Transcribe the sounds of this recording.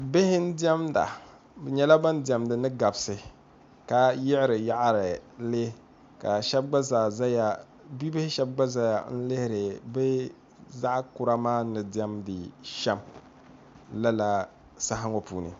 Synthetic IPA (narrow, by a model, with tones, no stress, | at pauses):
bɪ˦hɪ˦n̩˦di˦ɛ˦mda̰˨ | bɨ˨ɲɛ˦la˦ba˦n˦dɛ˨mdɨ˨nɨ˦ɡa˨bsɨ˨ | ka˨jɪ˦ʔɪ˦ɾɨ˨ja˦ʔɾɨ˨le˦ | ka˨ʃɛ˦b̚ɡ͡ba˦zaː˨za˦ja˨ | bi˦bɪ˦hɪ˦ʃɛ˦b̚ɡ͡ba˦za˦ja̰˨n̩˦lɪ˦hɪ˦ɾɨ˨bɛ˦ | za˦ʔkʊ˦ɾa˦maː˦nɨ˨dɛ˦mdɨ˨ʃɛ˦m | la˦la˨ | sa˦ɦa˦ŋɔ˦pṵː˨nɨ̰˨